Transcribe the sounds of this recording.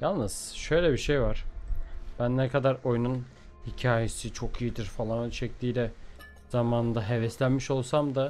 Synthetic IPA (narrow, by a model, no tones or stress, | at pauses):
jalˠnɯz̥ʃø̞jlʲɛbiʃe̞jvaɾ̥ | b̥ænːɛkʰad̪aɾo̞jnun | hicʰaːjesit͡ʃʰo̞kʰijid̪iɾfalˠanønt͡ʃʰɛc̚t̪ʰiːlʲɛ | z̥amaːnɯnd̪aɦevɛslʲænmiʃo̞lˠsamd̪a